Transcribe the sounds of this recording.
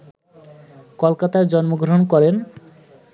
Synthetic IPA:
kolkat̪aɾd͡ʑɔnmoɡɾoɦonkɔɾen

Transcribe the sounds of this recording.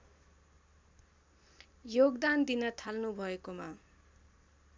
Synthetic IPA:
joɡd̪and̪inʌt̪ʰalnubʱʌekoma

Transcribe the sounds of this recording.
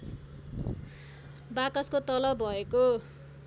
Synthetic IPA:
bakʌskot̪ʌlʌbʱʌeko

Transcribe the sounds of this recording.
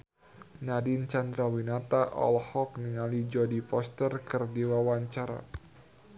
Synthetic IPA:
nadint͡ʃand̪ɾawinat̪aʔɔ̰lhɔk̚niŋalid͡ʒɔdifɔst̪ərkɨrdiwawaɲt͡ʃaɾa̰

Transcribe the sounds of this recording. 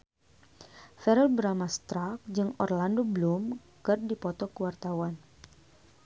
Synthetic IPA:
fɛɾəlbəɾamast̪ɾak̚d͡ʒɨŋɔ̰rlandoblum | kɨrdipɔt̪ɔkəwart̪awan

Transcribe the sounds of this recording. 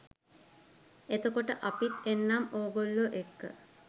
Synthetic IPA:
et̪okoʈəʔapit̪enːamoːɡolːoʔekːə̰

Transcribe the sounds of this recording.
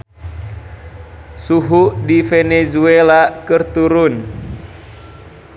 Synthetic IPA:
suɦuʔdifɛnɛzuɛlakɨrt̪uɾun

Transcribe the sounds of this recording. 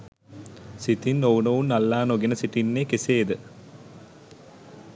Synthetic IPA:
sit̪inːowunəʋunːalːaːnoɡenəsiʈinːeːkeseːd̪ə

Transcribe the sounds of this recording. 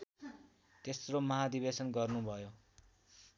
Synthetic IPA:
t̪esromʌɦad̪ibesʌnɡʌrnubʱʌjo

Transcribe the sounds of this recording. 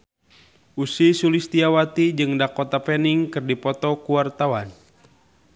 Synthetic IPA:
ʔusisulist̪iawat̪id͡ʒɨŋdakɔt̪apɛniŋkɨrdipɔt̪ɔkuwart̪awan

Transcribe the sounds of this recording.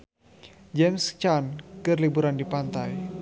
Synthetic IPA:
d͡ʒɛmst͡ʃankɨrlibuɾandipant̪aj

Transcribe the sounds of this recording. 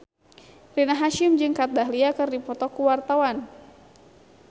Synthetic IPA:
rinaɦaʃɪmd͡ʒɨŋkat̪̚daɦliakɨrdipɔt̪ɔkuwart̪awan

